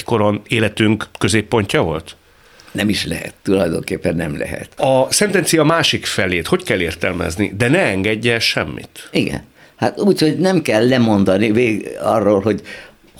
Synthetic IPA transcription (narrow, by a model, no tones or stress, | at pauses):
ko̞ɾoneːlɛt̪yŋkkːø̞zeːpːo̞ɲcɒvo̞lt̪ | nɛmiʃlɛ̰ɦɛ̰t̪ːulɒjd̪o̞ŋkeːpːɛnːɛmlɛ̰ɦɛ̰t̪ɒsɛnt̪ɛnt̪sijɒmaːʃikfɛleːt̪ho̞ckɛlːeːrt̪ɛlmɛ̰znḭd̪ɛnɛɛŋɡɛɟːɛlʃɛmːḭt̪iɡɛ̰n | ha̰t̪uːchoɟnɛmkɛlːɛmo̞nd̪ɒniveːɡɒ̰rːoːlɦo̞ɟ